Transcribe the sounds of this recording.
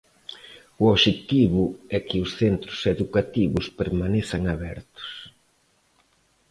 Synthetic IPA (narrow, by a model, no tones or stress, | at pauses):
uoβʃet̪iβʊɛkɪʊsθent̪ɾʊseðukat̪iβʊspeɾmanesaŋaβɛɾt̪ʊ̥s